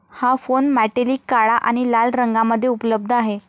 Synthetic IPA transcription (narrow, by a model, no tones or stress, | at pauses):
hafonmæʈeliːkːaɭaʔaɽ̃ilalɾəŋɡaməd̪ʱːjeupləb̚d̪ʱaɦe